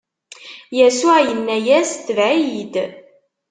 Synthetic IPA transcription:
jæsʊʕjənːæjæst̪ːəvʕijid̪

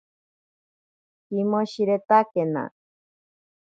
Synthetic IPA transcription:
kimoɕiɾet̪akena̰

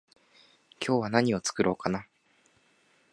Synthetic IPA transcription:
kʲʰo̞ːβ̞anaɲ̟io̞t͡sɨ̥kɯ̟ɾʔo̞ːkana

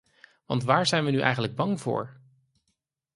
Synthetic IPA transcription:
ʋɑ̰ntʋaːɹzɛjnʋənyʔɛ̰jχənləɡ̚bɑŋvʊ̰ːɹ

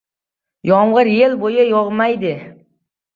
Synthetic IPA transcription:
jɒɴʁɨɾjelbojajɒʁmajd̪ɪ

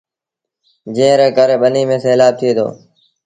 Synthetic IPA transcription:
d͡ʒẽːɾeːkəɾɓəniːmẽːseːlaːb̚t̪ʰieːd̪ʰo̰ː

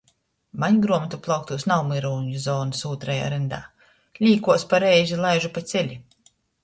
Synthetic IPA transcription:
maɲɡɾuɔmɛt̪uplˠawk̚t̪uːsnawmɨɾuːɲuzɔːnɨsuːt̪ɾaja̰ɾɛnd̪a̰ː | lʲiːkuɔspaɾɛjzʲilˠajʒupat̪sʲɛlʲi

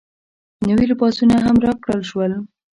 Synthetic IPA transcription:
nawiɾpɑsunaɦamɾɑkɽəlʃwəl

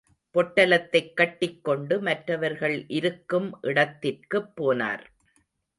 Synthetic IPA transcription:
pɔʈːɐlɐt̪ːɐɪkːɐʈːɪkːɔɳɖɯmɐʈrɐʋɐɾɣɐɭʔɪɾɯkːɯmʔɪɽɐt̪ːɪrkɯpːoːna̰ːɾ

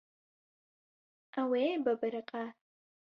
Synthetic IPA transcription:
aweːbɐbɨɾɨqʼa

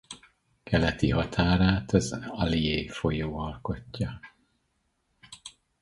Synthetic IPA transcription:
kʰɛlɛt̪iɦɒt̪ʰaːɾaːt̪ɒzɒlieːfo̞joːɒlko̞cːɒ

